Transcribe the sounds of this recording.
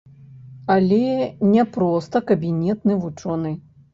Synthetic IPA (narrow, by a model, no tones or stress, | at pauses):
ɐlʲɛnʲɛpɾɔst̪ɐkɐbʲinʲɛt̪nɨvut͡ʂɔnɨ